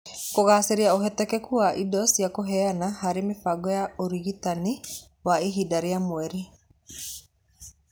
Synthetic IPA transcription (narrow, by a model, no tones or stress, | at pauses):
koɣaːseɾeaoɦɛtɛkɛkuaʔidɔsiakoɦɛanaɦaɾemefaɡɔjaoɾiɣitani | waiɦidaɾeamoɛɾi